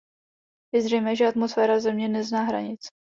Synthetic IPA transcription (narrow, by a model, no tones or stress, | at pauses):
jɛzrɛjmɛːʒɛat̪mosfɛːɾazɛmɲɛnɛznaːɦɾa̰ɲɪt͡s